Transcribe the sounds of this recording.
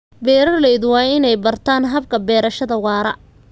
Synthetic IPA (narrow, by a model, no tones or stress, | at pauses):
bɛːɾɐrlɛjðwɑːɪnɛjbɐrt̪ʰaːnɦɐbkʰɐbɛːɾɐʃɐðɐwɑːɾɐ